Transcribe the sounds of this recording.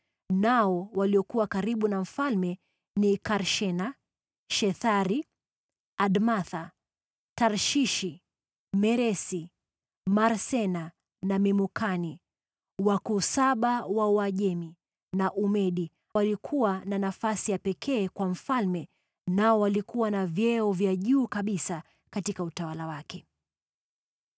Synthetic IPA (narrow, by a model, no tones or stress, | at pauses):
naɔwaliɔkuwakaɾiɓunam̩falmɛ | nikaɾʃɛna | ʃɛθaɾi | aɗmaθa | taɾʃiʃi | mɛɾɛsi | maɾsɛna | namimukani | wakusaɓawawaʄɛmi | naʔumɛɗi | walikʰuwananafasijapɛkʰɛːkwam̩falmɛ | naɔwalikuwanavjɛɔvjaʄuːkaɓisa | katikautawalawakɛ